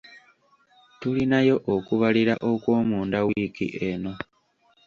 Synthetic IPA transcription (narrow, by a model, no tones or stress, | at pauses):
tulinajo̞ʔokuβaliɾaʔo̞kwo̞ːmuːndawikḭʔe̞no̞